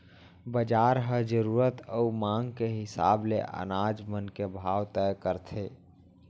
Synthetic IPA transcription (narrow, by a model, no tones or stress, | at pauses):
bəd͡ʒaːɾɦəd͡ʒəɾuːɾət̪əumãːŋɡkeɦɪsa̰ːbleʔə̰naːd͡ʒmənkebʱaːwt̪ɛjkəɾt̪ʰeː